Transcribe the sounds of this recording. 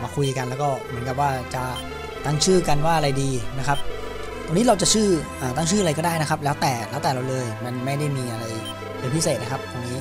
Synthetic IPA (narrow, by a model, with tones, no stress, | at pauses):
maː˧kʰu˧jka˧nlɛː˦˥wkɔː˥˩mɯ˩˦nka˨˩p̚waː˥˩t͡ɕa˨˩ | t̪a˥˩ŋt͡ɕʰɯː˥˩ka˧nwaː˥˩ʔa˧ɾa˧jdiː˧na˦˥kʰa˦˥p̚ | t̪ʰaː˧niː˦˥ɾa˧wt͡ɕa˨˩t͡ɕʰɯː˥˩ʔaː˨˩t̪aː˥˩ŋt͡ɕʰɯː˥˩a˨ɾa˧jkɔ˥˩daː˥˩jna˦˥kʰa˦˥p̬̚lɛː˦˥wt̪ɛː˨˩lɛ˦˥wt̪ɛː˨˩ɾa˧wlɤː˧jma˧nma˥˩jda˥˩jmiː˧ʔa˧ɾa˧j | pe˧npʰi˦˥seː˨˩t̪̚na˦˥kʰa˦˥p̚t̪ʰwa˧nːiː˦˥